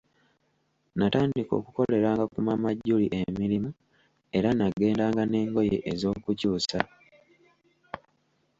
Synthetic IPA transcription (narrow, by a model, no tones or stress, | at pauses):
nataːndiko̞̰ːkuko̞le̞ɾaːŋɡakumamaɟːuliʔe̞miɾimu | e̞ɾanaɡe̞ːndaːŋɡane̞ːŋɡo̞jḛʔezo̞ːkucuːsa